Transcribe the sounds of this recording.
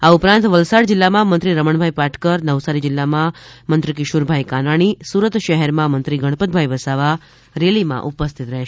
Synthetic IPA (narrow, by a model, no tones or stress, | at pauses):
aupɾãnt̪ʋəlsaɽd͡ʒɪlːamãmənt̪ɾiɾəməɳbʱajpaʈʰkəɾnəʋsaɾid͡ʒɪlːamãmənt̪ɾik̬ɪʃuɾbʱaikanaɽ̃isuɾət̪ʃəɦɛɾmãmənt̪ɾiɡəɽ̃pət̪̚bʱajʋəsaʋa | ɾelimã̰ʔupəst̪ʰit̪ɾəɦeʃ